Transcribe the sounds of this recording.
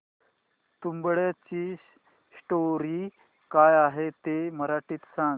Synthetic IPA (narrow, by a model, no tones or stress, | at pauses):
t̪umbɭjat͡ɕiː | sʈoɾiː | kajaɦet̪eməɾaʈiːt̪sãŋɡ